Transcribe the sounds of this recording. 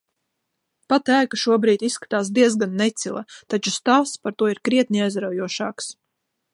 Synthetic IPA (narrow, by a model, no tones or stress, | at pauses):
pat̪æːkaʃuɔbɾiːt̪isːkḁt̪aːsd̪iɛzɡanːɛt̪silˠa̰t̪at͡ʃust̪aːspaɾt̪uɔiɾkɾiɛt̪̚nʲiajzɾawjuɔʃaːks